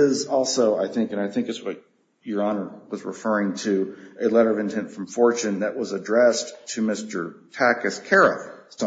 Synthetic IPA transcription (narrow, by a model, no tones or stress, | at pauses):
ɪzɔlˠsoʊa̰ɪθɪ̃ŋkɨ̃ñaɪθɪ̃ŋkɨtswʌt͡ʃ | ə˞ɑnə˞wʌzɹɨfɜ˞ɪ̃ŋtʰɨɨlɛɾə˞ʌvɨ̃ntʰɛ̃ntfɹʌ̃ɱfɔɹt͡ʃɨ̃nðɨʔwʌzɨdɹɛstʰɨmɪstə˞tʰækɨskʰɛɹɨθst